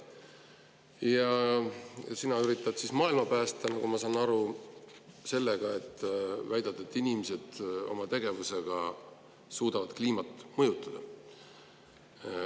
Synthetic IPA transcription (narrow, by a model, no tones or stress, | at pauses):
jɑ | sinɑyɾit̪ːˑɑd̥sismɑːilmɑpæːst̪enɑɡumɑsɑːnɑɾu | se̞lːeɡ̥ɑe̞t̪ːˑvæjd̪̥ɑt̪ːɑet̪ːˑinimise̞d̪̥o̞̰mɑt̪e̞ɡ̥e̞vuse̞ɡ̥ɑ | suːd̪̥ɑvɑd̪kliːmɑt̪ːˑmɤjut̪ːˑɑd̪̥ɑ